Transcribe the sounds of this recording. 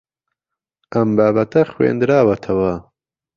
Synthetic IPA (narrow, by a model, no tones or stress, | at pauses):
ɐmbaːbɐt̪ɐxwḛːnd̪ɾaːwɐt̪ʰɐwɐ